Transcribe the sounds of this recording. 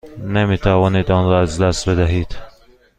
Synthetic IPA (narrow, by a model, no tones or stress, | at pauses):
nemiːt̪ʰævɒːniːd̪ɒnɾɒːæzd̪æst̪bed̪æɦiːd̪̥